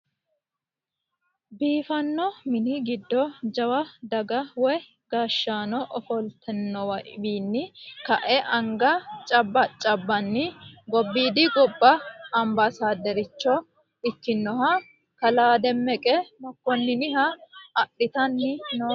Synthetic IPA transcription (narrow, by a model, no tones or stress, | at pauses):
biːfɐnːɔmɪnɪɡɪd̪ːɔd͡ʒɐwɐd̪ɐɡɐwɔj | ɡ̥aːʃːaːnɔʔɔfɔlt̪ʰɛnːɔwɐʔbiːnːɪkɐʔɛʔɐŋɡɐt͡ʃʼɐbːɐt͡ʃʼɐbːɐnːɪɡɔbːiːd̪ɪɡɔbːɐɐmbɐsaːd̪ɛɾɪt͡ʃːɔ | ɪkːɪnːɔɦɐ | kɐlaːd̪ɛmːɛkʼɛmɔkːɔnːɪnɪhɐɐɗːɪt̪ɐnːɪnoː